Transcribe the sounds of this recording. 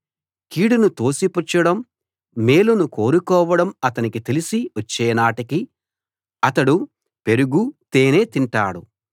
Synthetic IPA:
kiːɽunut̪o̞ːsiput͡ʃːɐɽɐm | meːlunuko̞ːɾukɔːʋɐɽɐmɐt̪ɐnikit̪e̞lisiʋɐt͡ʃːɛːnaːʈiki | ɐt̪ɐɽu | pe̞ɾuɡut̪eːne̞ːt̪iɳʈa̰ːɽṵ

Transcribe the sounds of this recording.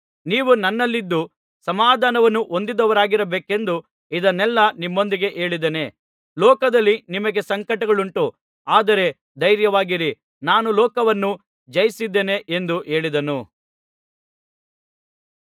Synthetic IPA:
niːʋunɐnːɐlːid̪ːu | sɐmaːd̪ʱaːnɐʋɐnːuʔo̞nd̪id̪ɐʋɐɾaːɡiɾɐbeːke̞nd̪u | id̪ɐnːɛlːɐnimːo̞nd̪iɡe̞ʔe̞ːɭid̪ene̞ | lɔːkɐd̪ɐlːinimɐɡe̞sɐŋkɐʈɐɡɐɭuɳʈu | aːd̪ɐɾe̞ | d̪ɐjɾjɐʋaːɡiɾi | naːnulɔːkɐʋɐnːu | d͡ʒɐjisid̪ːeːne̞ʔend̪uʔe̞ːɭid̪ɐnu

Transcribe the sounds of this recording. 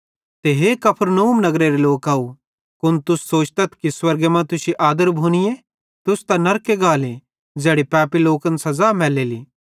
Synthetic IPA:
t̪eɦekɐpʰəɾnəuːmnɐɡɾeɾeloːkaːu | kʊnt̪ʊsːoːt͡ʃt̪ɐt̪ʰkiswɐɾɡemɛ̃t̪ʊsiʔaːd̪əɾbʱuːñɪje | t̪ʊst̪anɐɾkeɡaːle | d͡ʒɛːɽipɛːpiloːkənsɐzaːmɛːleːliː

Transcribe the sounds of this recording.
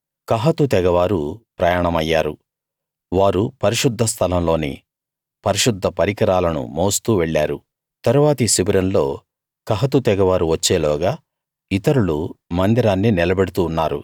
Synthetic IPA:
kɐɦɐt̪ut̪ɛɡɐʋaːɾupɾɐjaːɳɐmɐjːaːɾu | ʋaːɾupɐɾiʃud̪ʱːɐst̪ʰɐlɐmlo̞ːnḭ | pɐɾiʃud̪ʱːɐpɐɾikɐɾaːlɐnṵmoːst̪uːʋɛɭːaːɾu | t̪ɐɾuʋaːt̪ɐisibiɾɐnlo̞ː | kɐɦɐt̪̬ut̪ɛɡɐʋaːɾuʋɐt͡ʃːe̞ːlɔːɡaː | it̪ɐɾuɭumɐnd̪iɾaːnːinilɐbeɽut̪uːnːaːɾṵ

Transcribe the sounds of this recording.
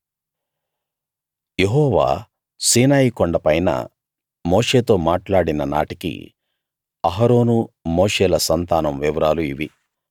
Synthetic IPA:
je̞ɦɔːʋa̰ː | siːnaːjikɔɳɖɐpɐjnɐ̰ | mo̞ːʂe̞ːt̪o̞ːmaːʈlaːɽinɐna̰ːʈikḭ | ɐɦaɾo̞ːnumo̞ːʂeːlɐsɐnt̪aːnɐmʋiʋɐɾaːluiʋi

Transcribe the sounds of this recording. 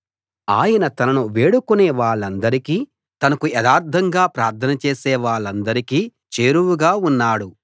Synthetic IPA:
aːjɐnɐt̪ɐnɐnuʋe̞ːɽukuneːʋaːɭːɐnd̪ɐɾikiː | t̪ɐnɐkuɛd̪aːɾd̪ʰʱɐŋɡaːpɾaːɾt̪ʰɐnɐt͡ʃeːsɛːʋaːɭːɐnd̪ɐɾikiː | t͡ʃeːɾuwuɡaːunːaːɽu

